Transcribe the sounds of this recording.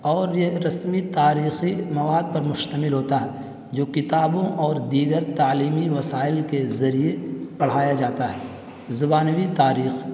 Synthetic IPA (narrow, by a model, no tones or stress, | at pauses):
ɔːɾjeɾɐsmit̪aːɾiːximɐʋaːd̪̚pɐɾmʊʃt̪əmɪlɦoːt̪aɦɛː | d͡ʒoːkɪt̪aːbõʔɔːɾd̪iːɡəɾt̪aːliːmiʋɐsaːɪlkezɐɾiebɐɽ̤aːjad͡ʒaːt̪aɦɛː | zʊbaːnwit̪aːɾiːx